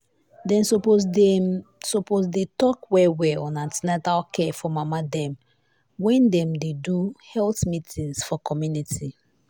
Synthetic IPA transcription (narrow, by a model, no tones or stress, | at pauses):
dɛ̃nsopo | soposdetɔkwɛwɛɔ̃nãntinatakɛfɔmamadɛ̃m | wɛ̃ndɛ̃mdeduhɛlθmitʰĩŋsfɔkʰɔmjuniti